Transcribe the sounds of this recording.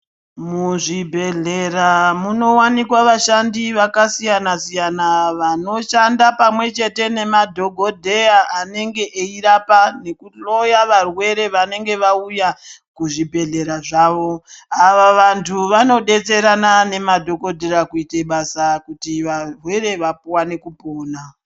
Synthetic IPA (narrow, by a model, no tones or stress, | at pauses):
muʐibʱe̞ɮe̞ɾamuno̞wanikwaʋaʃandiʋakasijanasijanaʋano̞ʃandapamwe̞t͡ʃe̞te̞ne̞madʱo̞ɡʱo̞dʱejaane̞ŋɡe̞ʔeiɾapane̞kuɬo̞jaʋarwe̞ɾe̞ʋane̞ŋɡe̞ʋaujakuʐibʱe̞ɮe̞ɾaʐaːʋo̞aʋaʋantʰuʋano̞ɗe̞t͡se̞ɾanane̞madʱo̞ɡʱo̞dʱeɾakuiteɓasakutiʋarwe̞ɾe̞ʋapuwane̞kupo̞ːna